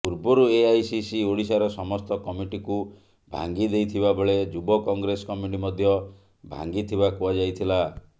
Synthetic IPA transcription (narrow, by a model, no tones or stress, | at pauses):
puɾbɔɾueajsisioɽisaɾɔsɔmɔst̪ɔkɔmiʈiku | bʱa̰ŋɡid̪ejt̪ʰibabɔɭed͡ʒubɔkɔŋɡɾesɔkɔmiʈimɔd̪ʱjɔ | bʱa̰ŋɡit̪ʰibakuad͡ʒajt̪ʰila